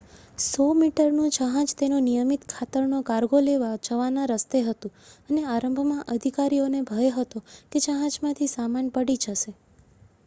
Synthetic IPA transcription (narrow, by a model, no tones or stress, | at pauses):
somiʈəɾnũd͡ʒəɦãd͡ʒt̪enonijəmit̪kʰat̪əɾnokaɾɡoleʋad͡ʒəʋanãɾəst̪eɦət̪ũəneaɾəmbʱmãʔəd̪ʱikaɾionebʱəʋeɦət̪oked͡ʒəɦãd͡ʒmãt̪ʰisamanpəɽid͡ʒəʃe